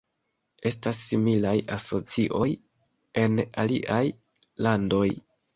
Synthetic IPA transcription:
e̞stasːimilajaso̞t͡siʔo̞j | e̞nalḭʔaj | lando̞j

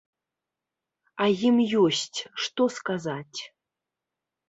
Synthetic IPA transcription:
ajimjɔsʲtʲʂt̪ɔskazatʲ

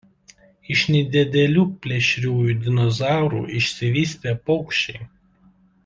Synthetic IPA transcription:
ɪʃnʲɛɪd̪ʲɛd̪ʲɛlʲuːpʲlʲɛʃʲɾʲuːjuːd̪ʲɪnɔzɑˑʊɾṵːʔɪʃʲsʲɪʋʲiːsʲt̪ʲeːpɔʊkʃʲt͡ʃʲɛɪ

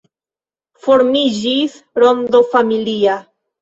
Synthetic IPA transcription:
fo̞ɾmid͡ʒis | ɾond̪ofamilia

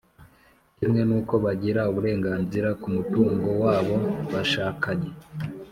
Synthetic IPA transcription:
imŋe̞nuːko̞βaɟiɾauβuɾe̞ːŋɡaːnziɾakumutuːŋɡo̞waːβo̞βaʃaːkaɲe

